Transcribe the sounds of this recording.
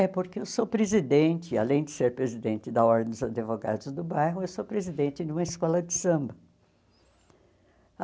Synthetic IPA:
ɛpoɾkɪewsopɾezid̪ẽnt͡ʃ̪ɪa̰lẽj̃d̪ɪseɾpɾezid̪ẽnt̪ɪd̪ɐɔɾd̪ẽd̪ʊzad̪evoɡa̰d̪ʊzd̪ʊbajɦʊewsopɾezid̪ẽnt͡ʃ̪ɪd̪ɪũmɐɪskɔlɐd͡ʒ̪ɪsɐ̃mbɐ

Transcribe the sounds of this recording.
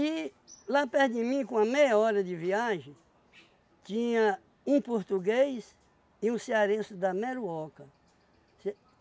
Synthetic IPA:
i | lapɛɾd̪ɪmĩkõɐmejɐɔɾɐd̪ɪviaʒẽ | t̪ĩɲɐ | ũpoɾt̪uɡejs | ɪũsiaɾẽsʊd̪ɐmɛɾuɔkɐ | se

